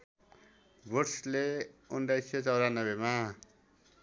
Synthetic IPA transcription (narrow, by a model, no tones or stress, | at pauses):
borsleunɖajset͡sʌwɾanʌbema